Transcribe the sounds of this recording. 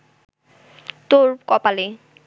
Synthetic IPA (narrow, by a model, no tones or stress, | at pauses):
t̪oɹkɔpale